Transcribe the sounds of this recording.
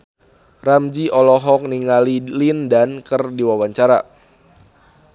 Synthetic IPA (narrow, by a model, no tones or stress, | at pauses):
ramd͡ʒiʔɔlɔɦɔk̚niŋalilindankərdiwawaɲt͡ʃaɾa̰